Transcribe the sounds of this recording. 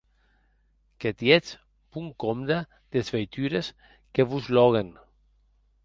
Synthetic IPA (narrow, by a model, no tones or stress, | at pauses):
ket̪jet͡s | puŋkomd̪a | d̪̥ezvejt̪yɾes | keβuzlɔɣen